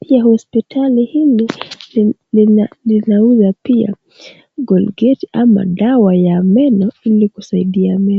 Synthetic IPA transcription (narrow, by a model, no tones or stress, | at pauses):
piahɔspitʰalihili | lilinauzapia̰ | ɡɔlɡɛtiʔama̰ɗawajamɛnɔilikusaiɗiamɛ